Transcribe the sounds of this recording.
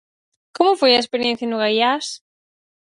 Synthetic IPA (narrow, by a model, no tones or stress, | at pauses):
komʊfojɐespeɾijẽn̟θjɐnʊɣajas